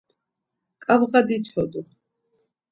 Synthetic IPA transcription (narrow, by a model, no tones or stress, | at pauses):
kʼabʁad̪it͡ʃʰɔd̪u